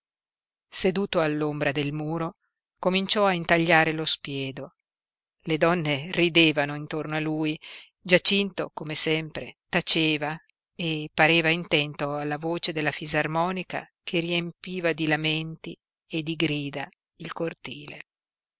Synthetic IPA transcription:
sed̪uːt̪oalːombɾad̪elmuːɾo | komint͡ʃɔaint̪aʎːaːɾelospjɛːd̪o | led̪ɔnːerid̪eːvanoint̪ornoalːuːj | d͡ʒat͡ʃint̪o̰komesɛmpɾet̪at͡ʃeːva | epaɾeːvaint̪ɛnt̪oalːavoːt͡ʃed̪elːafizarmɔːnika̰ | kʰeriempiːvad̪ilament̪i | ed̪iɡɾiːd̪a | ilkort̪iːlḛ

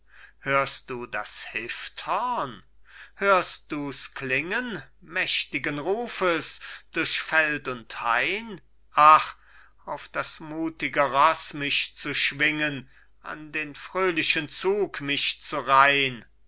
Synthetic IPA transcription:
høːɐst̚d̥uːdashɪfthɔɐnhøːɐst̚d̥uːsklɪŋən | mɛʃtɪɡənʁuːfəsd̥ʊɐʃfɛltʊnthaɪn | ʔaχ | aʊfd̥asmuːtɪɡəʁɔsmɪʃt͡suʃv̥ɪŋən | ʔa̰ndeːnfʁ̥øːlɪʃənt͡suːkmɪʃt͡suʁaɪən

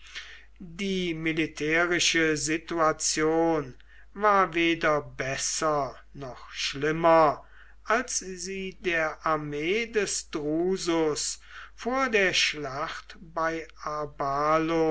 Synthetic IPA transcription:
diːmilitʰɛːʁɪʃəzituat͡sjoːn | vaːɐveːdɐbɛsɐ | nɔχʃlɪmɐ | ʔalsziːdeːɐʔaɐmeːdɛsd̥ʁuːzʊs | foːɐdeːɐʃlaχtb̥aɪabaːlo

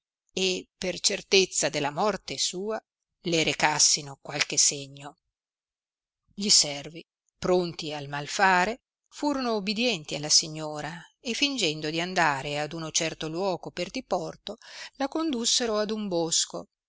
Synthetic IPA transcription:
epert͡ʃert̪et̪sːad̪elːamɔrt̪esuːa | leɾekasːinokwalkeseɲːo | ʎisɛrvi | pɾont̪ialmalfaːɾe | fuːɾonoubid̪jɛnt̪ialːasiɲːoːɾaefːind͡ʒɛnd̪od̪iand̪aːɾead̪unot͡ʃɛrt̪olwɔːɡoperd̪ipɔrt̪olakond̪usːeɾoad̪umbosko̰

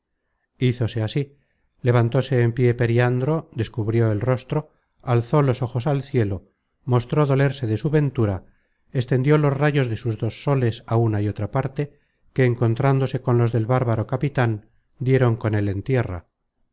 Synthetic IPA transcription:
iθo̞se̞asi | le̞β̞ant̪o̞se̞ːmpje̞pe̞ɾjiand̪ɾo̞d̪e̞skuβɾjo̞e̞lro̞st̪ɾo̞ | alθo̞lo̞so̞xo̞salθje̞lo | mo̞st̪ɾo̞ðo̞le̞ɾse̞ðe̞suβe̞nt̪uɾa | est̪e̞nd̪jo̞lo̞zraʝo̞zðe̞suzðo̞sːo̞le̞saunaio̞t̪ɾapaɾt̪e̞ | ke̞ːŋko̞nt̪ɾand̪o̞se̞ko̞nlo̞zðe̞lβaɾβaɾo̞kapit̪an | d̪je̞ɾo̞ŋko̞ne̞le̞nt̪je̞ra̰

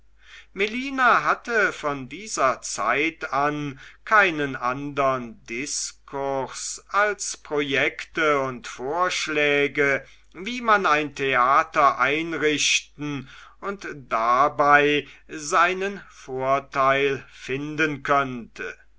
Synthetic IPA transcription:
meliːnaɦatəfɔndiːzɐt͡sa̰ɪtankʰaɪnənʔandəʁəndɪskʰʊɐsʔalspʁ̥ojɛktəʊntfoːɐʃlɛːɡə | viːmanaɪntʰeaːtɐʔaɪnʁɪɕtn̩ʊntd̥abaɪzaɪnənfoːɐtaɪlfɪndənkʰœntʰə̰

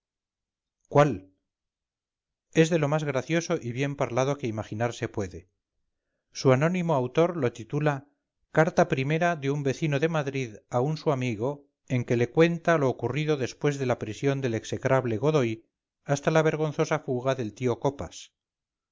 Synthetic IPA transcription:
kwal | e̞zðe̞lo̞mazɣɾaθjo̞so̞ʔiβje̞mpaɾlað̞o̞ke̞imaχinaɾse̞pwe̞ðe̞ | suano̞nimo̞awt̪o̞ɾlo̞t̪it̪ula | kaɾt̪apɾime̞ɾaðeumbe̞θino̞ðe̞maðɾiðaunsuamiɣo̞ | e̞ŋke̞le̞kwe̞nt̪alo̞ːkuriðo̞ðe̞spwe̞zðe̞lapɾisjo̞nd̪e̞le̞ksekɾaβle̞ɣo̞ðoj | ast̪alaβ̞e̞ɾɣ̞o̞nθo̞safuɣaðe̞lt̪io̞ko̞pa̰s

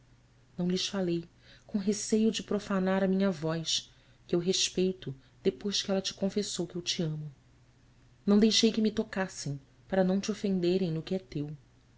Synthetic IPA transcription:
nɐ̃w̃lɪsfalej | kõɦesejʊd͡ʒɪpɾofanaɾɐmĩɲɐvɔjs | kɪewɦeʃpejt̪ʊd̪̥epojzʒkɪɛlɐt͡ʃɪ̥kõfesowkɪewt͡ʃiɐ̃mʊ | nɐ̃w̃d̪ejʃejkɪmɪt̪okasẽj̃ | paɾɐnɐ̃w̃t͡ʃofẽnd̪eɾẽj̃nʊkɪɛt̪ew

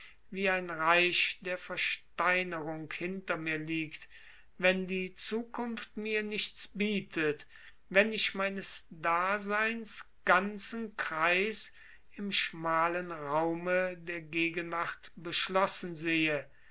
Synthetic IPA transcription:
viːaɪnʁaɪʃd̥eːɐfɛɐʃtaɪnəʁʊŋkhɪntɐmiːɐliːkt | vɛndiːt͡suːkʰʊnftmiːɐnɪçt͡sb̥iːtʰət | vɛnɪçmaɪnəsd̥aːzaɪnsɡ̥ant͡sn̩kʁ̥aɪs | ɪmʃmaːlənʁaʊmədeːɐɡeːɡənvaʁtb̥əʃlɔsn̩zeːə

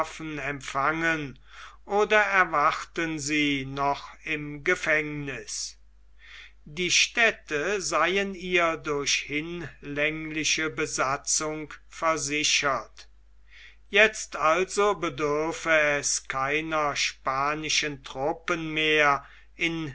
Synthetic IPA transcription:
fn̩ɛmpfaŋən | ʔoːdɐɛɐvaχtənziːnɔχɪmɡəfɛŋnɪs | diːʃtɛtəzaɪəniːɐdʊɐɕhɪnlɛŋlɪʃəbəzat͡sʊŋkfɛɐzɪʃɐt | jɛt͡st̪alzobədʏɐfəɛskʰaɪnɐʃpaːnɪʃəntʁ̥ʊpənmeːɐ | ʔɪn

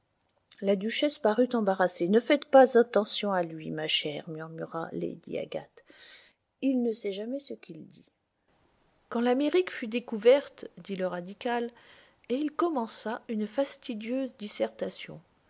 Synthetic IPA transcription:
lad̪yʃɛspaʁyt̪ɑ̃baʁasenəfɛt̪pazɛ̃t̪ɑ̃sjɔ̃alɥimaʃɛʁmyʁmyʁa̰lḛd̪ḭa̰ɡa̰t̪ | ilnəsɛʒamɛsəkʲild̪i | kɑ̃lameʁikfyd̪ekuvɛʁt̪d̪iləʁad̪ikal | eilkɔmɑ̃saynfast̪id̪jøzd̪isɛʁt̪asjɔ̰̃

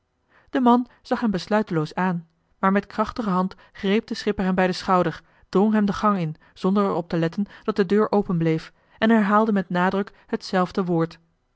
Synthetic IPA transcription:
d̥əmɑn | z̥ɑχɦɛmbəslœɥtəlowsaːn | maːɹmɛtkrɑχtəχəɦɑnt | χrejp̚dəsχɪpəɹɦɛmbɛjdəsχɑwdəɹ | d̥rɔŋɦɛmdəχɑŋɪn | z̥ɔndəɹɛɹɔp̚təlɛtənd̥ɑt̚dədøːɹʔowpənblejf | ɛnɛɹɦaːlˠdəmɛtnaːdrɵk | hətsɛlˠvdəʋʊːɹt

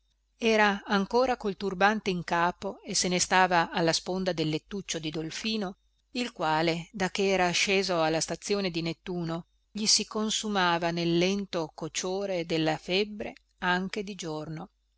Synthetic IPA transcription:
ɛːɾaːŋkoːɾakolt̪urbant̪eiŋkaːpoesenest̪aːvaːlːaspond̪ad̪elːet̪ːut͡ʃːod̪id̪olfiːno | ilkwaːled̪ak̟ːeɛːɾaʃeːzoalːast̪at̪sːjoːned̪inet̪ːuːno | ʎisikonsumaːvanelːɛnt̪okot͡ʃoːɾed̪elːafɛbːɾḛ | aŋk̟ed̪id͡ʒorno

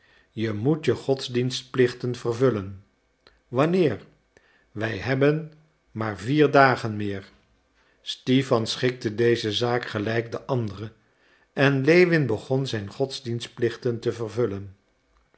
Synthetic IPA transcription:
jəmutjəχɔtzdinst̚plɪχtənv̥ərvɵlən | ʋɑnɪːɹ | ʋɛjɦɛbən | maːɹviːɹdaːχənmɪːɹ | stifɑnsχɪk̚tədejzəzaːkχəlɛjkdəʔɑndərə | ʔɛnlejʋɪnbəχɔnzɛjnχɔtzdinst̚plɪχtəntəvərvɵlən

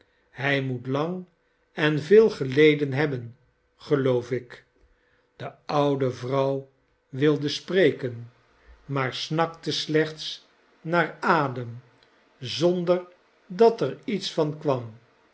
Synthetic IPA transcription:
hɦɛjmutlɑŋ | ɛnvɪːlˠχəlejdənɦɛbən | χəlowfɪk | d̥əʌwdəvrʌw | ʋɪlˠdəsprejkən | maːɹsnɑktəslɛχts | naːɹaːdəm | zɔndəɹ | dɑtɛɹitsfɑnkʋɑm

